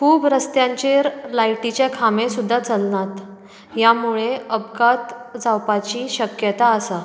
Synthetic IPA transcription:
kubɾəst̪jãɲt͡ɕeɾlajʈit͡ɕakʰamesud̪ʱːat͡səlnat̪ | jamuɭeəbɡat̪d͡zawpat͡ɕiːɕəkjət̪aəsa

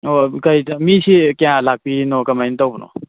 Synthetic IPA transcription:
okɐjtamisikejãlak̚pinɔkɐmajnitawbnɔ̰

